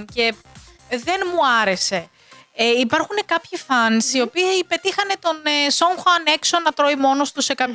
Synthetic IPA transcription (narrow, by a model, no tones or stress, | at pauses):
nce̞ | ðe̞nmuɐɾe̞se̞ | eipɐɾxune̞kɐpçifɐnsio̞piɐipe̞t̪ixɐne̞t̪o̞nesoŋxoɐne̞ksonɐt̪ɾo̞imo̞no̞st̪use̞kɐp